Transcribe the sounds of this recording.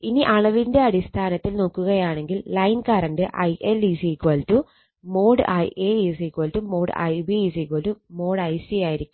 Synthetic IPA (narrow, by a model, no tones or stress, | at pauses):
iniʔɐɭɐʋinde̞ɐɽist̪ʰaːnɐt̪ːilno̞ːkːuɣɐjaːɳe̞ŋɡilːɐjnkaːrɐɳɖɨʔɐ̰jʔelisikwɐltu | mo̞ːɽɨʔɐ̰jʔeisikʋɐltumːo̞ːɽɨ̰ɐ̰jbiis̬ikwɐltumo̞ːɽɐjsijaːjiɾikʲːum